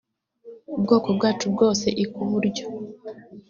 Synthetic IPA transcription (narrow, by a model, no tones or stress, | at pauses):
ubɡo̞ːko̞bɡaːt͡ʃubɡo̞ːse̞ʔikuβuɾɟo̞